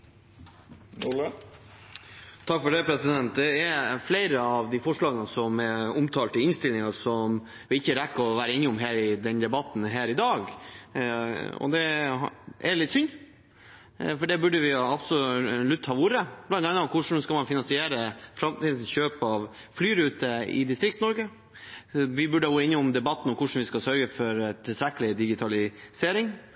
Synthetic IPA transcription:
t̪ʰɑkfɔɖɛpʰɾɛsɪd̪ɛnt̪̚d̪ɛɛfleɪɾəɑʋd̪ɪfɔʂɭɑːɡənəsɔmɛʊmt̪ʰɑːlt̪ɪlɪnst̪ɪlɪŋəsɔm | ʋɪɪçːəɾɛkːəɔʋæːɾəeːnːɪɔmɦæːɾɪd̪ɛnd̪ɛbɑt̪ːn̩ɦæːɾɪd̪ɑːɡ | ɔ̰d̪ɛ | ɛlɪt̪sʏnː | fɔɖɛbʉɖːəʋɪɑbsɔlʉt̪ːhɑːuɾəb̥lɑnt̪ɑnːɑkʰʊʂn̩skɑlmɑnfɪnɑnsɪeːɾəfɾɑmt̪iːd̪n̩çøːpɑʋ | flyːɾʉːt̪əɪ̰d̪ɪst̪ɾɪk̚t̪nɔɾɡə | ʋɪbʉɖəəɡoːɪnːəɔmd̪ɛbɑt̪ːn̩ɔkʰʊʂn̩ʋɪskɑsœɾɡəfɔɾt̪ʰɪlst̪ɾɛkːəlɪd̪ɪɡɪt̪ʰɑlɪseːɾɪŋ

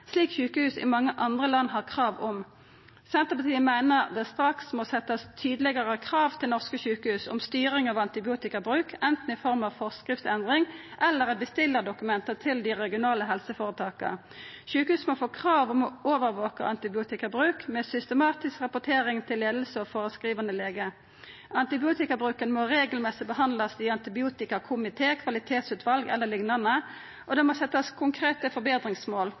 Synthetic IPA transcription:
sliːkçʉːkəhʉːsɪ̰mɑŋːəʔɑnd̪ʁəlɑnːɦɑʁkʰʁɑːʋɔm | sɛnt̪əpɑt̪ʰiːəmæɪnəʁd̪ɛst̪ɾɑksmɔsɛt̪ːɑst̪ʰyːd̪l̩ɪɡəʁəkʰʁɑːʋt̪ʰɪlnɔʁskəçʉːkəhʉːsʊ̰mst̪yːʁɪŋɑʋɑnt̪ɪbɪuːt̪ɪkəbʁʉːkʰɛnt̪n̩ɪfɔʁmɑʋfɔʁskʁɪft̪ɛnd̪ʁɪŋʔɛlːəʁɛbəst̪ɪlːəʁd̪ʊkʉmɛnt̪ət̪ʰɪld̪ɪʁɛɡɪʊnɑːləɦɛlsəfoːʁət̪ʰɑːkə̰ | ʃʉːkhʉːsmofoːkʰʁɑːʋɔmɔoːʋəɾʋoːkə̰ʔɑnt̪ɪbɪuːt̪ɪkɑbʁʉːkmɛsʏst̪əmɑːt̪ɪskʁɑpʊʈ̪ʰeːɾɪŋt̪ʰɪlːeːd̪l̩səɔfoːʁəskʁiːʋənəleːɡə | ɑnt̪ɪbɪuːt̪ɪkɑbʁʉːkənmoɾeːɡəlmɛsɪbəhɑnd̪lɑsiːɑnt̪ɪbɪuːt̪ɪkɑkʰʊmɪt̪ʰeːkʰʋɑlɪt̪ʰeːt̪sʉːt̪ʰʋɑlɡɛ̰lːəlɪŋnɑnə | ʔɔd̪ɛmɔsɛt̪ːɑskʰʊŋkʰʁeːt̪əfɔbeːd̪ʁɪŋsmoːl

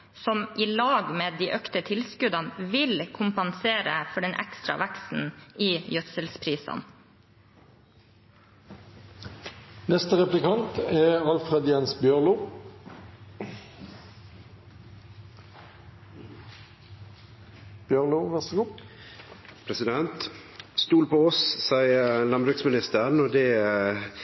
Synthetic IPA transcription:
sɔmʔiːlɑːɡmeːd̪iːʔœkt̪ət̪ʰɪlskʉd̪ɑnʋɪlkʰʊmpɑnseːɾəfɔɖɛnʔæ̰kst̪ɾɑ̰ʋæksn̩iːjœt̪səlspʰɾiːsɑ̰n | nɛst̪əʁɛplɪkʰɑnt̪ɛɑlfʁɛd̪jɛnsbjœʁluː | b̥jœluʋæʁsɪɡuː | pʰɾɛsɪd̪ɛnt̪st̪uːlpʰɔɔssæɪəlɑmbɾʉːksmɪnɪst̪əʁənoːd̪ɛ

